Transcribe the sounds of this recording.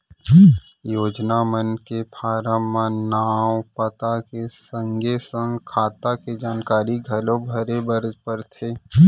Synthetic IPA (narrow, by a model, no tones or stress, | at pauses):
joːd͡ʒnamənkepʰaːɾəmːãnaːwpət̪akesə̃ŋɡesə̃ŋɡkʰaːt̪aked͡ʒaːnkaːɾiɡʱɐlõbʱəɾebəɾd͡ʒpəɾt̪ʰeː